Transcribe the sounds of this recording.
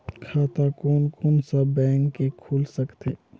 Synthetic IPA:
kʰaːt̪akoːnkɔːnsabɛ̃ːŋkːekʰuːlsəkt̪ʰeː

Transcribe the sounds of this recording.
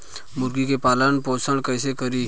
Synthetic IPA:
mʊɾɡikepaːlənpoːsəɽ̃kɛːsekəɾi

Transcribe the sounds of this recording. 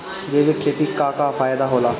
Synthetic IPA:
d͡ʒeːʋekʰeːt̪iːkaːkaːfaːjd̪aːɦoːlaː

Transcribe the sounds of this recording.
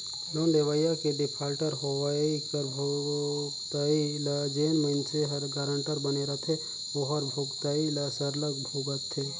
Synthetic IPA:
nonɖ̪eʋəjakeɖɪpʰalʈəɾɦoʋaikəɾbʱoɡt̪ailəd͡ʒenməɪnseɦəɾɡaɾəɳʈəɾbəneɾət̪ʰe | oɦəɾbʱoɡt̪ailasəɾləkbʱuɡət̪ʰːe

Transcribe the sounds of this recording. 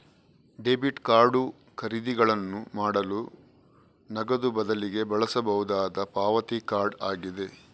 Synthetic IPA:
ɖeːbiʈkaːɾɖu | kʰɐɾid̪iɡɐɭɐnːumaːɽɐlu | nɐɡɐd̪ubɐd̪ɐliɡe̞bɐɭɐsɐbɐɦud̪aːd̪ɐpaːʋɐt̪ikaːɾɖaːɡid̪e̞

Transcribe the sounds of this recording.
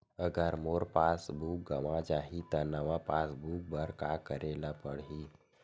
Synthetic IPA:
əɡəɾmoɾpasbuːk̚ɡəʋãd͡ʑaɦit̪əɾnəʋapasbuːk̚bəɾkakəɾelapəɽɦi

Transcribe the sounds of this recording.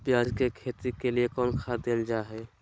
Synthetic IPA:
pjaːd͡ʒkekʰet̪ikeliekɔːnkʰad̪eːld͡ʒaɦɛ

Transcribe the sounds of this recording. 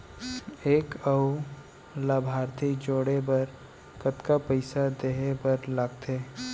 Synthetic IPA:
eːkəʊ | laːbʱaːɾt̪ʰid͡ʒoːɽebɐɾ | kət̪kapəɪsad̪eːɦebəɾlaɡt̪ʰeː

